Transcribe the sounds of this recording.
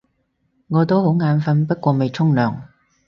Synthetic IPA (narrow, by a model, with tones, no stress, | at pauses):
ŋɔː˨˧t̪o˥who˨˥wŋaː˨˧nfɐ˨˧npɐ˥t̚kʷɔː˧me˨jt͡sʰʊ˥ŋlœː˨˩ŋ